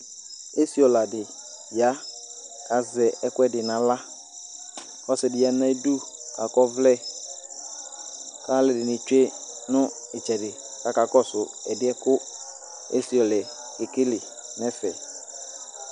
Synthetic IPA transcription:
e˦si˨˦ɔ˨la˨dɪ˨ | ja˦ | ka˨zɛ˨ɛ˦kʊ˦ɛ˦˨dɪ˨nã˨la˦ | ɔ˦sɪ˨dɪ˨ja˨nã˦e˦du˦ka˨kɔ˦vlɛ˦ | ka˦lɪ˨dɪ˨nɪ˨t͡ʃᶣe˦nʊ̃˦ | ɪ˨t͡ʃɛ˨dɪ˨ | ka˨ka˨kɔ˦sʊ˨ɛ˨dɪ˦ɛ˦kʊ˦ | ḛ˦si˨ɔ˨lɛ˨ | ɪ˨kɪ˦lɪ˨ | nɛ˦fɛ˨

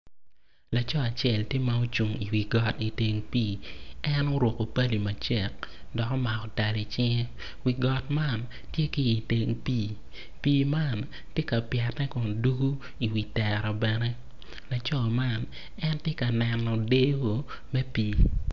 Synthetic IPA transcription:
la˨t͡ʃɔ˦a˨t͡ʃjɛ˦˨ltɪ˦ma˦o˦t͡ʃu˨ŋi˨wi˨ɡɔ˨ti˨te˨ŋpiː˦ɛ˦no˦ɾwo˨ko˨pa˦li˨ma˨t͡ʃɛ˨k̚ | dɔ˨kɔ˦ma˨kɔ˨ta˨li˨t͡ʃɪ˦ŋɛ˦ | wi˨ɡɔ˨tma˦˨n | tje˦kiː˦˨te˨˦ŋpiː˦ | piː˦ma˦˨n | tje˦ka˨pjɛ˨tnɛ˦kɔ˨ndu˦ɡu˦ | i˨wi˨tɛ˨ɾɔ˨bɛ˨nɛ˦ | la˨t͡ʃɔ˦ma˦˨n | ɛ˦ntje˦ka˨nɛ˨nːɔ˨de˦ɡo˨ | mɛ˦piː˦

